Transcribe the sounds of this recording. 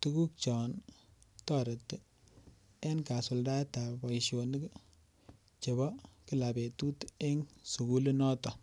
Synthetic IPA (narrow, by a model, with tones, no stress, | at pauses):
tu˦ku˦k̚t͡ʃɔ˨ntɔ˦˨ɾe˨tː | e˦nka˨sʊ˨lda˦ta˨bɔ˨i˨ʃjo˨n˦k | t͡ʃe˨bɔ˦ki˦la˨be˨tu˦te˦ŋsu˨ku˦le˦nɔ˦tɔ˨